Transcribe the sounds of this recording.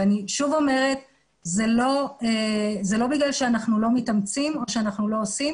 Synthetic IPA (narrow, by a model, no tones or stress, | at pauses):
aniʃuvo̞me̞ʁe̞t | zelo̞ezelo̞biɡlalʃeanaχnulo̞mitamt͡simo̞ʃeanaχnulo̞osim